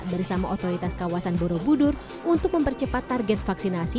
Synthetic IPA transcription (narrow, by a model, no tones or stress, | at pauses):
daɾisamaʔɔt̪oɾit̪askawasanboɾobudʊr | unt̪ʊk̚məmpərt͡ʃəpat̪ːarɡɛt̪̚faksinasi